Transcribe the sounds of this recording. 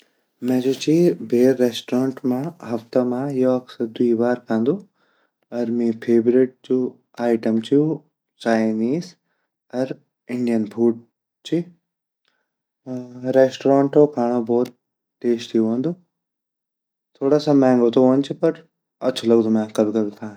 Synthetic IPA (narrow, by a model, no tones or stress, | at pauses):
mɛ̃ːd͡ʑoːt͡ɕiːbʱeːɾːeːsʈɾãːɳʈmãɦɐft̪əmãjoɐksəɾd̪uiʋaːɾkʰãːnd̪oː | ɐɾmĩːpʰeːʋɾeːʈ̚d͡ʑoː | aːɪʈəmt͡ɕiju | t͡ɕaːɪniːz | ɐɾ | ɪ̃ɳɖijənbʰuːɖ̚ | t͡ɕiː | ɾeːsʈɾãːɳʈokʰaːɽ̃obɔːt̪̚ | ʈeːst̪ʰijoʋə̃ːnd̪oː | t̪ʰoːɽasãmɛ̃ːŋɡot̪ʰoɦoːnɪt͡ɕʰɪpɐɾ | ɐt͡ɕʰolɐɡd̪omãkɐbʱɪkɐbʱɪt̪ʰãː